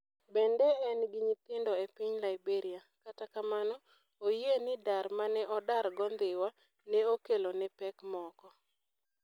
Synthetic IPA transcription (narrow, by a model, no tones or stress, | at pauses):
bɛndɛɛnɡiɲit̪ɪndɔepiɲlaɪbeɾiakatakamanɔ | ojenɪdaɾmanɛʔɔdarɡɔnd̪ɪwa | nɛokelonɛpɛkmɔkɔ